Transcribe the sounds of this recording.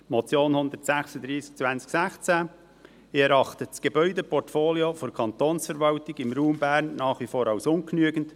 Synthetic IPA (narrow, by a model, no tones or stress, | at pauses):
mɔt͡sjoːnhʊnd̪ərtsæxsədɾiːsk̚t͡svænt͡sksæχt͡sæ | ɪɛɾɑχtəsɡ̥ebœʏdɛpʰɔrtfoːljofoɾkʰɑnt̪oːnsfɛɾvɑltɪɡɪmɾuːmbæːɾnːɑːχvifoːɾɑʊsʊnknyəɡənt